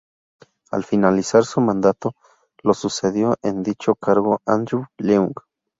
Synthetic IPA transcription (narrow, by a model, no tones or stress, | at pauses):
a̰lfinalisaɾsumãnd̪at̪o | losuseðjoʔend̪it͡ʃokaɾɣoʔand̪ɾuleuŋɡ